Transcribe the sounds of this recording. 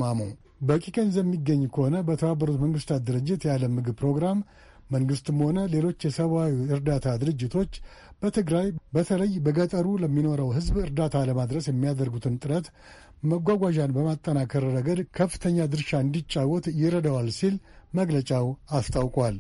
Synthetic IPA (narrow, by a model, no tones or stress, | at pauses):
amo̰ | bəkʼikʼenzjɛmːiɡːəɲːkʰəho̞nəbət̪ʰəβabəɾut̪məŋɡɨst̪ʰat̪̚d̪ɨɾɨd͡ʒːɪt̪jaləmːɨɡɨbpɾo̞ɡɾamː | əŋɡɨst̪məho̞nəle̞lo̞t͡ʃːjɛsəβawiɨɾd̪at̪ʰad̪ɨɾɨd͡ʒːɪt̪ʰo̞t͡ʃː | b̥ət̪ʰɨɡɾajbət̪ʰələjbəɡət̪ʼəɾuləmːino̞ɾəwɦɨzbɨɾd̪at̪ʰaləmad̪ɾəsjɛmːijad̪əɾɡut̪ʰɨnt̪ʼɨɾət̪ | məɡʷaɡʷaʒanbəmat̪ʼːənakʰəɾːəɡəd̪kʰəfːɨ̥t̪ʰəɲːad̪ɨɾʃaɨnd̪it͡ʃʼːawːɔt̪jɪɾəd̪əwalsilməɡlət͡ʃʼawast̪ʰʼawkʼwal